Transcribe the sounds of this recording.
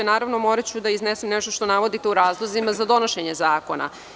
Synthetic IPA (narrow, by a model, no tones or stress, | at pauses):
enaːɾaʋnomo̞ɾat͡ɕud̪aiznesemnɛʃt̪oʃt̪o̞naʋo̞d̪it̪euɾaːzlˠozimazad̪o̞no̞ʃeɲe̞zaːko̞na̰